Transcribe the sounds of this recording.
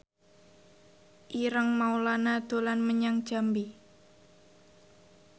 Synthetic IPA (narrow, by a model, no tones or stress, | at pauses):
ʔiɾəŋmaulanad̪̥o̤lanməɲaŋd̥ʒ̥a̤mbi